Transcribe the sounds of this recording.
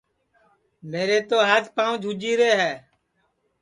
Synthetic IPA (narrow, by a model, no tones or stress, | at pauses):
meːɾeːt̪oːɦaːd͡ʒpãːũd͡ʒʱud͡ʒiːɾeːɦɛː